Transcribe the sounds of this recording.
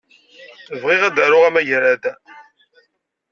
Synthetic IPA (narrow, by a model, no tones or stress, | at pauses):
əvʁiʁæd̪aɾʊʁæmæʝɾæd̪